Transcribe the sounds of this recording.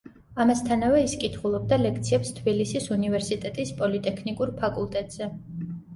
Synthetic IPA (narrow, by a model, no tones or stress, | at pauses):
amast̪ʰanavɛiskʼit̪ʰχulˠɔb̚d̪alɛkʰt̪sʰiɛpst̪ʰbilisisunivɛɾsit̪ʼɛt̪ʼispʼɔlit̪ʼɛkʰnikʼuɾpʰakʼulˠt̪ʼɛt̪ʼz̥ɛ